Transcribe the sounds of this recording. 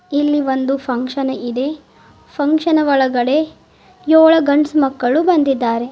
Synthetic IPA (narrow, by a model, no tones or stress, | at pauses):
ilːiʋond̪upʰɐŋkʂɐnɐid̪e̞ | pʰɐŋkʂɐnɐʋɔɭɐɡɐɽe̞ | jɔːɭɐɡɐɳsmɐkːɐɭubɐnd̪id̪ːaːɾe̞